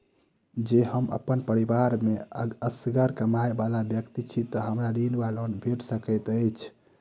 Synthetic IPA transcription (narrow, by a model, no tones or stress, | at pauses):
d͡ʒeɦəmə̰pːənpəɾibaɾmeəəsɡəɾkəmaebalabjəkt̪it͡ʃʰit̪ɔɦəmɾaɾinbalonbʱeʈsəkəjt̪əjt͡ʃʰ